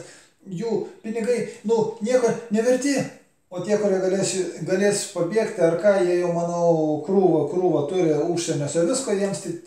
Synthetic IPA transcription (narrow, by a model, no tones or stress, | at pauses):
juːpʲɪnʲɪɡɐɪnʊnʲiɛkoːnʲɛʋʲɛrʲt̪ʲiː | oːt̪ʲiɛkʊɾʲiɛɡɐlʲeːsʲɡɐlʲeːsʲpɐbʲiɛkt̪ʲɐrkɑːjiɛjɛʊmɑːnɐʊkɾuːʋɐkɾuːʋɐt̪ʊɾʲɪuːʃʲsʲɛnʲoːsɐʋʲɪskoːjiɛmst̪ʲɪ